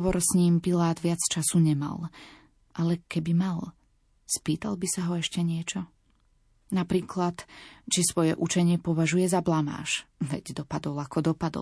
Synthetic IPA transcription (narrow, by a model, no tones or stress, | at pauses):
ʋɔɾsɲiːmpilaːd̪ʋɪat͡st͡ʃasuɲɛma̰l | ʔalɛkɛbimal | spiːt̪albisaɦɔɛʃcɛɲɪɛt͡ʃɔ | napɾiːklat̪t͡ʃisʋɔjɛʔut͡ʃɛɲɪɛpɔʋaʒujɛzablama̰ːʃʋɛ̰ɟd̪ɔpad̪ɔlakɔd̪ɔpad̪ɔ̰